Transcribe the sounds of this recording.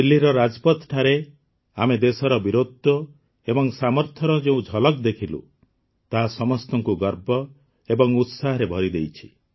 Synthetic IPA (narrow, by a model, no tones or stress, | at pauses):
ilːiɾɔɾad͡ʒpɔt̪ʈʰaɾe | amed̪esɔɾɔbiɾod̪ʱɔ | ebɔŋsamɔɾt̪ʰɔɾɔd͡ʒeũd͡ʒʱɔlɔkd̪ekʰilṵ | t̪aɦasɔmɔst̪ɔŋkuɡɔɾbɔ | ebɔŋut̪saɦɔɾebʱɔɾid̪ejt͡ʃʰi̥